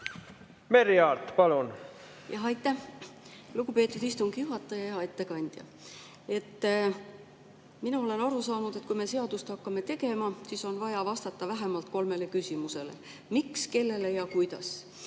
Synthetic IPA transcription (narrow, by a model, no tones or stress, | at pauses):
meɾiɑːlt̪pɑlun | jɑɦɑjt̪ːæh | luɡ̥upe̞ːt̪ːˑud̪̥ist̪uŋɡ̥ijuɦɑt̪ːˑɑjɑjɑe̞t̪ːe̞kɑnʲd̪̥jɑ̰ | e̞t̪ː | minɑo̞le̞nɑɾusɑːnud̪̥e̞t̪̚kujme̞se̞ɑd̪̥ust̪ɑkːɑme̞t̪e̞ɡe̞mɑsiːso̞nvɑjɑvɑst̪ɑt̪ːɑvæɦe̞mɑlt̪̚ko̞lme̞le̞kysʲimuse̞le̞̰ | mikske̞lːe̞le̞jɑkujd̪̥ɑ̰s